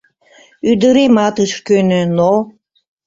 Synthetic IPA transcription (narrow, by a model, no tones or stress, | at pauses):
yd̪əɾemɑt̪əʃkønøno